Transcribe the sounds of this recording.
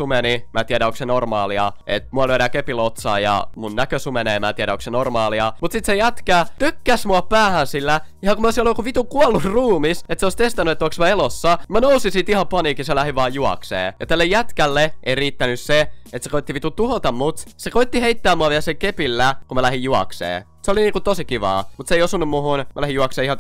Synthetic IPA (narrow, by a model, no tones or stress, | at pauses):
umenimæt̪iæɾæoksenormɑːliɑ̰ḛt̪muɑlyøɾækepilot̪sɑ̰ːjɑ̰munnækøsumeneːmæːt̪iæɾæoksenormɑːliɑmut̪sit̪sejæt̪kæt̪ykːæsmuɑpæːhænsilːæ | ihɑkumoˑisiolokuʋit̪ukuɑlːurruːmiset̪seoˑist̪est̪ɑnːyet̪ːoksmɑelosːɑnimænousisit̪ihɑmpɑniːkiselæhiʋɑːjjuɑ̰ksḛːjɑt̪ælːejæt̪kælːeʔeiriːt̪ːænysseet̪se̥koit̪ːiʋit̪ut̪uhot̪ɑmmut̪sekoit̪ːiheit̪ːæːmːuɑʋiælseŋkepilːækummælæhijjuɑ̰ksḛː | seoliniːkut̪osikiʋɑ̰ːmut̪seijosunːummuhunmʔælæhijuɑkseːihɑ